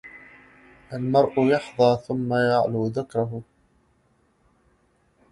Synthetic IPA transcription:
ʔalmɑɾˤʔʊjɑħðˤɑːθʊmːajaʕluːðɪkɾˤɑɦʊ

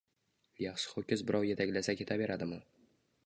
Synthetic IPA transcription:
jaχʃɪ̥χokʲɪzbɪɾɒwje̞t̪ʰakʲlasakʲʰe̞t̪ʰabe̞ɾad̪ɪmɪ

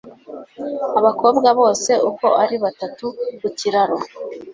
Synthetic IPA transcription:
aβako̞ːbɡaβo̞ːse̞ʔuko̞ʔaɾiβatatukuciɾaɾo

